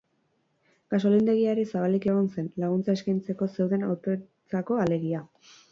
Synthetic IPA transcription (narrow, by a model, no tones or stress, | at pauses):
ɡ̥aso̞lind̪e̞ɣiaɾisaβalikeɣ̞onse̞nlaɣ̞unt͡saeskajnt͡se̞ko̞se̞wðe̞nawt̪o | t͡sako̞ale̞ɣia